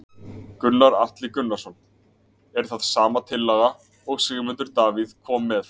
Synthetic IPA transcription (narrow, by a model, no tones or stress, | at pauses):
kʏnːaɾaht̪lɪkʏnːasɔn | ɛɾ̥θaðsaːmat̪ʰɪlːaɣa | ɔɣsɛːɣmʏnt̪ʏɾt̪aːviðkʰɔːmːɛθ